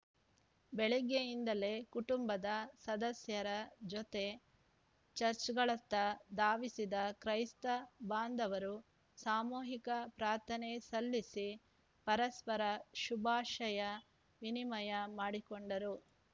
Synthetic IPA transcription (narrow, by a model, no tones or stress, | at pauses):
bɛɭɛɡejind̪ɐle̞kuʈumbɐd̪ɐsɐd̪ɐsjɐɾɐd͡ʒɔt̪e̞ | t͡ʃɐɾt͡ʃɡɐɭɐt̪ːɐd̪aːʋisid̪ɐkɾɐjst̪ɐbaːnd̪ɐʋɐɾu | saːmuːɦikɐpɾaːɾt̪ʰɐnesɐlːisi | pɐɾɐspɐɾɐʃubʱaːʃɐjɐ | ʋinimɐjɐmaːɽikoɳɖɐɾu